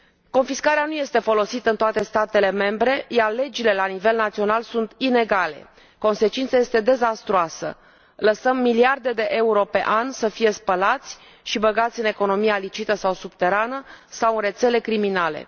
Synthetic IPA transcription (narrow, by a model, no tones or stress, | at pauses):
ko̞nfiskaɾeanuje̞st̪e̞fo̞lo̞sit̪əɨnt̪oat̪est̪at̪e̞le̞me̞mbɾe̞jarle̞d͡ʒile̞lanive̞lnat̪sio̞nalsunt̪ine̞ɡale̞̰ | ko̞nse̞t͡ʃint̪saje̞st̪e̞d̪e̞zast̪ɾoasə̰ | ləsəmːiliard̪e̞d̪e̞ʔeuɾo̞pe̞ʔansəfijespəlat̪sʲ | ʃibəɡat̪sʲɨne̞ko̞no̞mijalit͡ʃit̪əsawsub̥t̪e̞ɾanəsawɨre̞t̪se̞le̞kɾiminale̞̰